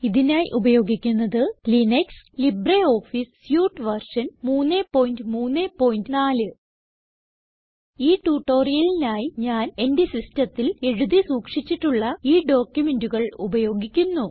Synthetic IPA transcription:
iðinaːjʔubɐjo̞ːɡikʲːunːɐðɨlinekslibreo̞ːfissjuːʈːɨʋɐrʂɐnmuːnːeːpo̞ːjndɨmuːnːeːpo̞ːjindɨnaːlɨ | iːʈuʈːo̞ːrijɐlinaːjiɲaːne̞ndesistɐt̪ːile̞ɻuðisuːkʂit͡ɕːiʈːuɭːɐiːɖo̞ːkʲjume̞nduɣɐɭubɐjo̞ːɡikʲːunːu

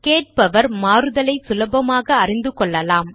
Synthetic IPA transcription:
keːʈ̚pɐʋɐɾmaːɾɯðɐlɐɪsʊlɐbɐmaːɣɐːrɪnd̪ɯkɔɭːɐlaːm

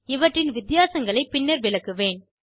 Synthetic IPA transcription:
ɪʋɐʈːrɪnʋɪt̪ɪjaːsɐŋɡɐɭɐɪpːɪnːɐɾʋɪlɐkːɯʋeːn

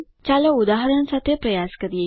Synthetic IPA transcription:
t͡ʃaləud̪aːɦɐɾənəsat̪jəprɐjaːskəɾije

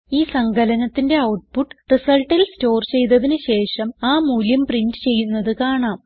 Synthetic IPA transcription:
iːsɐŋɡʱɐlɐnɐt̪ːinde̞ɐwʈ̚puʈːɨ̥risɐlʈːilsto̞ːrt͡ɕe̞jt̪̬ɐðinɨɕe̞ːʂɐmaːmuːljɐmprindɨt͡ɕe̞jːunːɐðɨkaːɳaːm

